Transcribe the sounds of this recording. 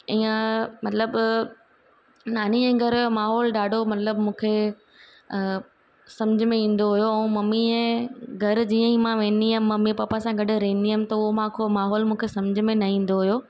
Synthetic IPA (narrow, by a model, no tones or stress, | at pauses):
iːə̃mɐt̪ləb | naːniɛ̃ːɡʱɐɾʊjomaːɦɔːlɗaːɖʱomɐt̪ləbmũːkʰe | sɐ̃md͡ʑɪmẽĩːn̆d̪oɦʊjoɛ̃ũmɐmːiɛ̃ːɡʱɐɾd͡ʑiːə̃ĩmãʋẽːniɦɐ̃mɐmĩpɐpasãɡɐɖʊ̆ɾɐɦĩnd̪iɦəmɪ̆t̪ɐʊɦomãkʰomaːɦɔːlmũːkʰesɐ̃md͡ʑʱɪmẽnɐĩːn̆d̪oɦʊjo